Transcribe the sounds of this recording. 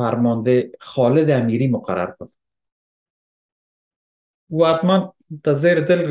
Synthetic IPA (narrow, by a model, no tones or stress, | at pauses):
aɾmɔnd̪exɔlɪd̪amiɾimʊqa̰ɾa̰ɾkʊd̪ | uat̪man | d̪̥azeːɾɪd̪ɪlɡ